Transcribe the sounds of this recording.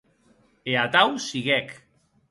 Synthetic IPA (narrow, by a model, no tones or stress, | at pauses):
eat̪awsiɣɛk